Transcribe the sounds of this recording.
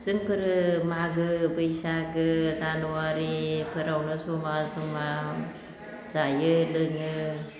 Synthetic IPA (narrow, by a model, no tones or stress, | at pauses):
z̥ɨŋpʰɯɾɯmaɡɯbɯjsakɯzanuaɾipʰɯɾawnɯsumasuma | z̥ajɯlɯŋɯ